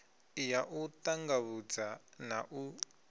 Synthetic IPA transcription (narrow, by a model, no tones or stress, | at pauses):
ijaʔutaŋɡaβud͡zanaʔu